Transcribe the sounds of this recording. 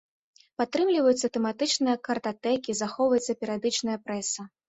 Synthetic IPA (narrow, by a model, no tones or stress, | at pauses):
pat̪ːɾɨmlʲivɐjut̪sːɐt̪ɛmat̪ɨt͡ʂnɨjɐkɐrt̪at̪ɛkʲizaxɔwvɐjɛt̪sːɐpʲɛɾʲjad̪ɨt͡ʂnɐjɐpɾɛsɐ